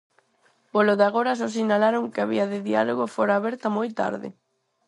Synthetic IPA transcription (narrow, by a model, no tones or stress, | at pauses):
poloðaɣ̞oɾasosinalaɾoŋkɪaβiɐðɪðia̰loɣofoɾaːβɛɾt̪ɐmojt̪a̰ɾðɪ̰